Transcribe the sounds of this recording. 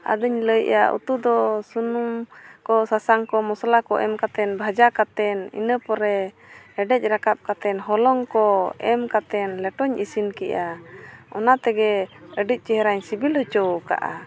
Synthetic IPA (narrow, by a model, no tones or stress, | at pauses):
a̰d̪əɲləjʔja̰ʔṵt̪ud̪ɔsunumkɔsasaŋkɔmɔslakɔʔɛ̰mkat̪ɛnbʱad͡ʒakat̪ɛnḭnəpɔɾɛ | ɛɖɛc̚ˀɾakap̚kat̪ɛnɦɔlɔŋkɔɛmkat̪ɛnlɛʈɔɲʔisinkɛʔaɔnat̪ɛɡɛəɖic̚ˀt͡ʃɛɦəɾaɲsibilhɔt͡ʃɔwka̰ʔa